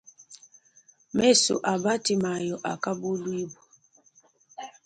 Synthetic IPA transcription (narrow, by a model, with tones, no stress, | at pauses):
me˦sṵ˨ʔa˨ba˦ti˨ma˨jɔ˨ʔa˨ka˦bu˦lu˦i˦bɔ˨